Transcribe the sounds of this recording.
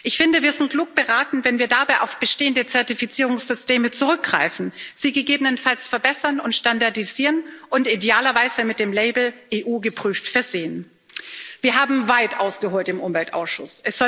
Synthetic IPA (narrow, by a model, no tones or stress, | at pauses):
ʔɪçfɪndəviːɐzɪnt̚ɡ̥luːk̚b̥əʁaːtn̩vɛnviːɐdabaɪʔaʊfb̥əʃteːəndət͡sɛɐtifit͡siːʁʊŋsz̥ʏsteːmət͡suʁʏk̚ɡ̥ʁ̥a̰ɪfn̩z̥iːɡəɡeːbənənfalsfɛɐbɛsɐnʊntʃtandaɐdiziːʁənʔʊntideaːlɐvaɪz̥əmɪt̚d̥eːmlɛɪbl̩ʔeːʔuːɡəpʁ̥yːftfɛɐzeːən | viːɐɦaːbm̩vaɪtʔaʊsɡ̥əɦoːltɪmʔʊmvɛltʔa̰ʊsʃʊ̰sʔɛsz̥ɔ